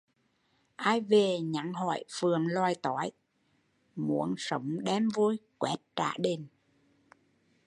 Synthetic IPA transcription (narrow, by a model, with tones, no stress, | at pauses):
ʔaː˧jve˨˩ɲa˨˥ŋɦɔ̰˧˩˨jfɨ˨˩əŋlwaː˨˩jt̪ɔ˨˦j | mu˧˦ənsə˨˦wŋ͡mɗɛ˧mvu˧jkwɛ˦˥t̚t͡ɕa̰ː˧˩˥ɗe˧˩n